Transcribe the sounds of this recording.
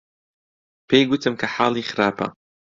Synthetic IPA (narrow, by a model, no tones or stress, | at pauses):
pʰejɡʊt̪ʰɨmkʰɐħaːlˠiːxɪɾaːpʰɐ̰